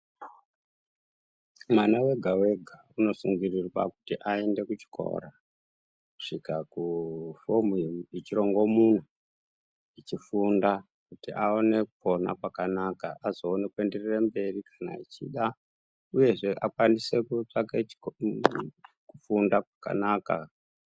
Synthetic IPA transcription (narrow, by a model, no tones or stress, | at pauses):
mwanawe̞ɡʱawe̞ɡʱa | uno̞suŋɡirirwa̰kutiʔae̞nde̞kut͡ʃi̥kʰo̞̰ɾa | ku̥ʂikakufomuit͡ʃiɾo̞ŋɡo̞mun̤u | it͡ʃifunda | kutiʔao̞ne̞kupo̞na̰kwakanakaazo̞ːne̞kwende̞rirembe̞rikʰḁna̰it͡ʃḭɗa | uje̞ʐe̞ʔakwanise̞kut͡ʂake | kufundakwḁka̰naka̰